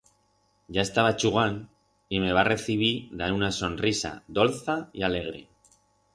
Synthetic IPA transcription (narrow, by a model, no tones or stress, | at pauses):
ʝae̞st̪aβat͡ʃuɣan | ime̞βare̞θiβ̞iðaewnaso̞nrisa̰ðo̞lθaiale̞ɣ̞ɾḛ